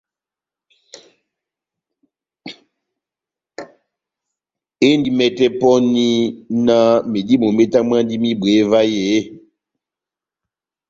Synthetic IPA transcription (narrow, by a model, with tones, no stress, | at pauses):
e˦ndi˦mɛ˦tɛ˦pɔ˦ni˦na˦me˨di˦mo˨me˦ta˦m˦a˦ndi˦mi˦be˨˦va˦je˨˦